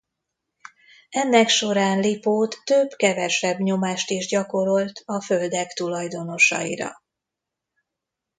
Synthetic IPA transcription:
ɛnːɛkʃo̞ɾaːnlipoːt̪ːøbkɛvɛʃɛbɲo̞maːʃt̪iʒɟɒko̞ɾo̞lt̪ʰɒfø̞ld̪ɛkt̪ulɒjd̪o̞no̞ʃɒ̰jḭɾɒ̰

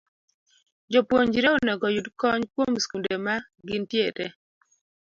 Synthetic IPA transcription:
d͡ʒopwoɲd͡ʒɾeonɛɡɔjudkɔɲkwomskundema | ɡɪntjetɛ

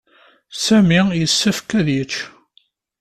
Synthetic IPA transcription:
sæmijəsːæfkæðjət͡ʃː

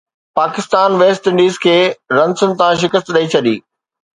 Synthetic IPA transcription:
paːkɪst̪aːnʋeːstɪ̃ɳɖiːzkʰeːɾɐ̃nsənt̪ãːʃ̬ɪkəst̪ɗɐit͡ɕʰɐɗḭː

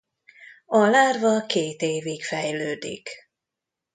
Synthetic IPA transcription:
ɒlaːrvɒkeːt̪eːvikfɛjløːd̪ḭk

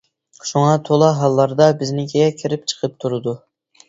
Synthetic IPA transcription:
ʃuŋɑt̪ʰolˠɑɦɑlˠːɑɾd̪ɑbɪznɪkʲʰeɛkʲʰɪɾɪp̚t͡ʃʰə̥qʰəp̚t̪ʰuɾɨd̪u

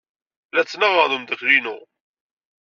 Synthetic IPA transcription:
læt͡sːnəʁəðˤumd̪əkɾinʊ

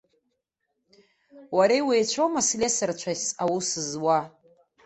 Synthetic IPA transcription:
waɾejwejt͡ʃʷʰomaslʲesɨrt͡ʃʷʰaawusɨzwa

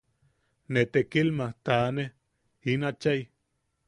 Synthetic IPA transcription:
net̪ekilmaht̪aːne | inat͡ʃaj

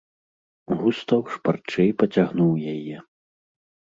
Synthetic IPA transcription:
ɣust̪ɐwʂpart͡ʂɛjpɐt͡sʲaɣnuwjajɛ

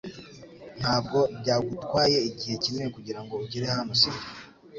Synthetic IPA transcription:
n̥haːb̚ɡo̞bɟaːɡutkwaːje̞iɟihe̞cimŋekuɟiɾaŋɡouɟiɾe̞hanosii

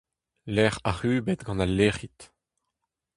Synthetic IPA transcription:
lɛʁaʁyːbet̪ɡɑ̃nalːeːʁit̪

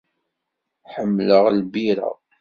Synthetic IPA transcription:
ħəmːləʁlbiɾə̰

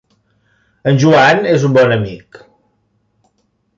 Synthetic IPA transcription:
ənʲʒuanezumbɔnəmik

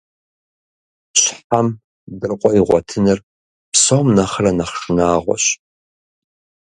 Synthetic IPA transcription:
ɕħam | dɨrqʷʼɔiʁʷɔtʰɨnɨr | psomnaχəranaχʂɨnaːʁʷɔ̰ɕ

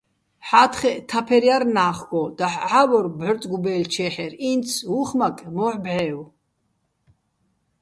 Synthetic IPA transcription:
ħat̪ʰχɛʔt̪ʰapʰɛɾjaɾnaːχɡɔd̪̥aħʕavɔɾbʕərt̪ʼɡubɛːlt͡ʃʰɛːħɛɾint̪sʰuχmakʼmɔħbʕɛːw

